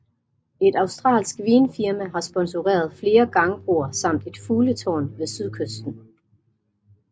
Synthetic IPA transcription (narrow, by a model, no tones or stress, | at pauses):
e̝d̥ɑ̈ʊsd̥ʁɑ̰̈ːlsɡ̥ʋiːnfiɐmæɦɑ̈sb̥ɒ̽nsoʁɛ̰ːɐð̞̩ˠfle̝ːɐɡ̥ɑ̈ŋəb̥ʁuɐsɑ̈m̰d̥e̝d̥fuːlət͡sʰɒ̰ːnʋe̝syðˠkʰøsd̥n̩